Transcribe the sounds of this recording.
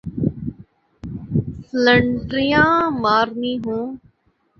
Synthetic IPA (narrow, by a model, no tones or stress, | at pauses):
sləɳɖɾɪjãːmaːɾniːɦũː